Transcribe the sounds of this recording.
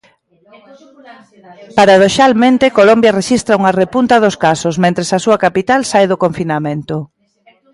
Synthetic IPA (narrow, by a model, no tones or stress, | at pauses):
paɾaðoʃalmẽnt̪ekolombjɐreʃist̪ɾauŋarepunt̪ɐðoskasosmẽnt̪ɾesasuakapit̪alsajðʊkoɱfinamẽnt̪ʊ